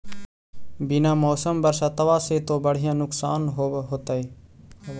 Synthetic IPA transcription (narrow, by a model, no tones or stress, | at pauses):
binãːmoːsəmbəɾsaːt̪əʋaːseːt̪oːbəɽ̤ɪjãːnʊksaːnɦoːɦoːt̪aiː